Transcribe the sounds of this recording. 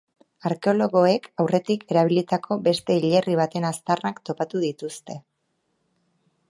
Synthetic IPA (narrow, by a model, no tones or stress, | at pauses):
aɾke̞o̞lo̞ɣo̞e̞kawre̞t̪ikʰe̞ɾaβ̞ilit̪akʰo̞be̞st̪e̞iʎe̞riβ̞at̪e̞nast̪arakt̪o̞pat̪uðit̪ust̪e̞